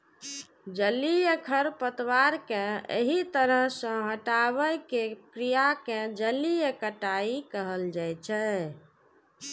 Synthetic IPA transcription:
d͡ʒəlijəkʰəɾpət̪waɾkẽḛɦit̪əɾəɦsə̃ɦəʈaβəjkekɾijakẽd͡ʒəlijəkəʈaikəɦəld͡ʒajt͡ʃʰɛ

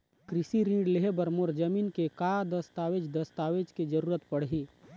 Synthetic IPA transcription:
kɾɪsiɾiːɖleɦebəɾmoɾd͡ʒəmiːnkekad̪əst̪aːʋed͡ʒd̪ɐst̪aːʋed͡ʒked͡ʒəɾuːɾət̪pɐɽ̤ɦiː

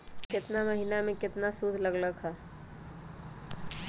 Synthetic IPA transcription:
kɪt̪naməɦinamẽkɪt̪nasud̪ʱləɡləɡɦɛː

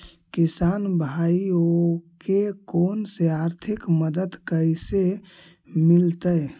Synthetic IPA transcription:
kisanbʱaiokekonseaɾt̪ʰikməd̪əd̪kəjse | milt̪əj

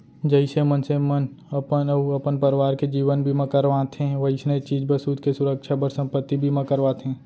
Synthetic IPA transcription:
d͡ʒəɪsemənsemən | ɐpənɐpənpəɾʋaːɾked͡ʒiːʋənbʱimɐ̃kəɾʋãt̪ʰẽʋɐisnəit͡ʃiːd͡ʒbəsuːd̪kesʊɾəkʃʰabəɾsə̃mpət̪ːibʱimɐ̃kəɾʋat̪ʰɦɛ̃ː

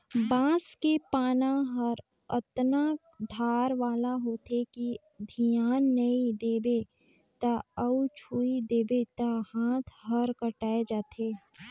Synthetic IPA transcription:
bãːskepaːnãɦəɾ | ət̪na | d̪ʱaːɾʋaːlaɦoːt̪ʰeki | d̪ʱijaːnːəid̪eːbe | t̪aəut͡ʃʰuːid̪eːbet̪ahãːt̪ʰɦəɾkəʈaːed͡ʒaːt̪ʰeː

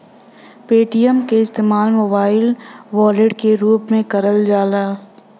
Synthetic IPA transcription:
peːʈijəmkeɪst̪eːmaːlmoːbaːɪlʋɔːleɖkeɾuːpmẽkɐɾəld͡ʒaːlaː

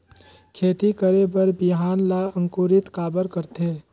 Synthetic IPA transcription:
kʰeːt̪ikəɾebəɾbɪɦaːnlaə̃ŋkoːɾɪt̪kaːbəɾkəɾt̪eː

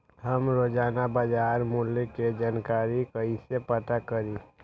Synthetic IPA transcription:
ɦəmɾoːd͡ʒaːnabad͡ʒaːɾmulːeked͡ʒaːnkaːɾikəisepət̪akəɾi

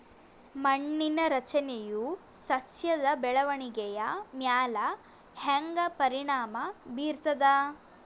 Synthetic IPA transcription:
mɐɳːinɐɾɐt͡ʃɐnejusɐsjɐd̪ɐbɛɭɐʋɐɳiɡɛjɐmjaːlɐ | heŋɡɐpɐɾiɳaːmɐbiːɾt̪ɐd̪ɐ

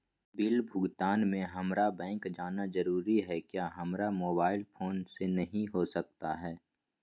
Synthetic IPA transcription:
bɪlbʱʊɡt̪aːnmẽɦɐmɾabɛ̃ːŋkd͡ʒaːnazəɾuːɾiɦɛkjaːɦɐmɾamoːbaːɪlpʰoːnsenɐɦĩɦosɐk̚t̪a̰ɦɛː

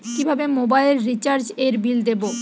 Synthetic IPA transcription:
kibʱabemobajleɾːit͡ɕaɾd͡ʑeɾbild̪ebo

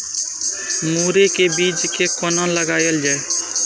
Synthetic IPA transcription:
muːɾekebid͡ʒkekɔnõnləɡaːjəld͡ʒaːe

